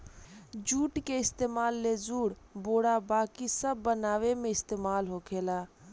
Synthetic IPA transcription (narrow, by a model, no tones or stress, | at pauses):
d͡ʒuːʈkeɪst̪emaːlːed͡ʒuɽ | boɽabakisəbːənaʋemeɪst̪emalɦokʰela